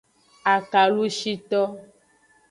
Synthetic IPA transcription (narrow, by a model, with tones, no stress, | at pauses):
a˨ka˨lu˦ʃi˦t̪ɔ˦